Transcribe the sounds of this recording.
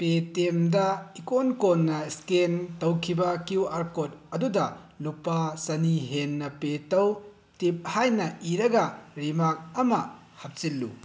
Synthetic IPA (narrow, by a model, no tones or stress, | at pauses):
petemdɐikonkonːɐskentɐwkʰibɐkjuaɾkot̚ɐdudɐ | lupːasɐniɦenːɐpetɐw | tip̚hajnɐiɾɐɡɐɾimak̚ɐmɐ | hɐp̚silːṵ